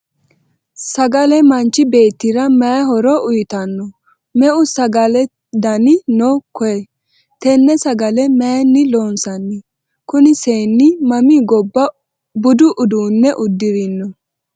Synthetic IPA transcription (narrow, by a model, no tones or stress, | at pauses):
sɐɡɐlɛmɐnt͡ʃːɪbe̞ːt̪ːɪɾɐmɐjɐɦɔɾɔʔʊjɪt̪ɐnːɔ | mɛʔʊsɐɡɐlɛ | d̪ɐnɪnɔkɔɛ | t̪ɛnːɛsɐɡɐlɛmɛjnːɪloːnsɐnːɛ | kʊnɪseːnːɪmɐmɪɡɔbːɐ | bʊd̪ʊʔʊd̪uːnːɛʔʊd̪ːɪɾɪnːɔ